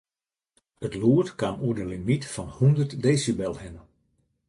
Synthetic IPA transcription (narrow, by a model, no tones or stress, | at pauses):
ətluətkanuədəlimitfɔnhundərtdeːsibɛlˠhɪnə